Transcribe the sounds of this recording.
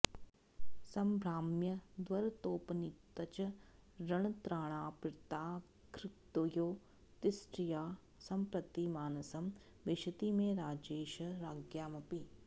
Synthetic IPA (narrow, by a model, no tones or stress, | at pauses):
sɐmbʱɾaːmjɐd̪wɐɾt̪oːpɐnit̪ːɐt͡ʃɐ | ɾɐɳ̃ɐt̪ɾaːɳ̃aːpɾɪt̪aː | kɾɪt̪ojoː | t̪ɪsʈɾijaː | sɐmpɾɐt̪imaːnɐsɐm | ʋɪʃɐt̪imẽɾaːd͡ʒeːʃɐɾaːɡjaːmɐpi